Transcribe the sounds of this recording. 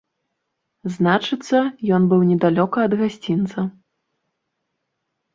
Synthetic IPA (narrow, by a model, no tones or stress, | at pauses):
znat͡ʂɨt̪sːɐjɔnbɨwnʲɛd̪alʲɔkɐːd̪ɣasʲt͡sʲint̪sɐ